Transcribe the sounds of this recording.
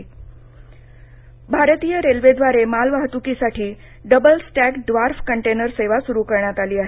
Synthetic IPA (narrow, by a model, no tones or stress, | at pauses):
bʱaɾt̪iːjəɾelʋed̪ʋaɾemalʋaɦt̪ukisaʈʰiː | ɖəbəlsʈækɖʋaɾfkəɳʈenəɾseʋasuɾukəɾɳjat̪aliːaɦe